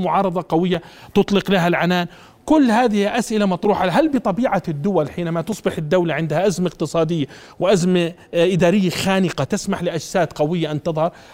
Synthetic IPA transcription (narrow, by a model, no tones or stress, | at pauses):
mʊʕɑːɾˤɑðˤɑqawɪjːa | t̪ʊt̪ˤlɪqlaɦalʕanaːn | kʊlːhaːðɪhɪʔasʔɪlamɑt̪ˤɾuːħaɦalbɨt̪ˤɑbiːʕad̪ːʊwalħiːnamat̪ʊsˤbɪħɪd̪ːawlaʕɪnd̪haʔazmaqt̪ɨsˤɑːd̪ɪjːa | wɪʔazma | ʔɪd̪aːɾɪjːaxaːnɪqat̪ɪsmaħlɪʔad͡ʒsaːt̪qawɪjːaʔant̪ɨðˤhɑɾˤ